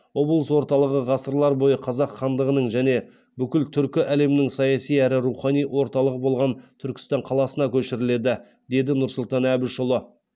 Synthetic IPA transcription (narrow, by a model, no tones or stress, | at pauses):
wo̞blˠəswo̞ɾt̪ɑlˠəʁəʁɑsəɾlˠɑɾbo̞jəqʰɑzɑqχɑnd̪əʁənəɴʒæne̞ | bʏkʲɪlt̪ʰʏɾkʲɪʔæle̞mɪnɪŋsɑjɑsijæɾɪɾuχɑnijwʔo̞ɾt̪ɑlˠəʁəbo̞lˠʁɑnt̪ʰʏɾkʲɪ̥st̪ɑɴqʰɑlˠɑsənɑkʲʰɵʃɪɾɪle̞d̪ɪ | d̪e̞d̪ɪnʊɾsʊlˠt̪ɑnæbɪʃʊlˠə